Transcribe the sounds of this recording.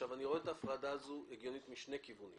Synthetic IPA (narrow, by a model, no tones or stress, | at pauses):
avaniʁo̞etaːfʁadaːzueɡjonit̪miʃne̞jkivunḭ